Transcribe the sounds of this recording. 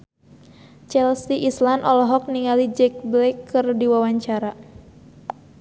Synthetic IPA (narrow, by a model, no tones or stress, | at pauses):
t͡ʃɛlsiʔislanɔlɔɦɔk̚niŋalid͡ʒɛk̚blɛkʰːɨrdiwawaɲt͡ʃaɾa